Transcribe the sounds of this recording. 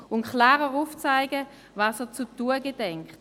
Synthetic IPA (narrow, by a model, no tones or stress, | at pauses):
ʊnkʰlaːʁəʁuft͡saɪɡə | vɑːsəɐt͡sutuəɡedɛŋkt